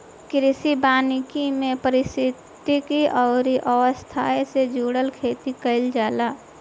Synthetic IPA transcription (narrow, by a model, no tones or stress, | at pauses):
kɾɪsibaːnɪkimẽpəɾɪst̪ɪt̪ikiʔɔːɾiʔəwəst̪ʰaesed͡ʒuːɽəlkʰeːt̪ikəɪld͡ʒaːlaː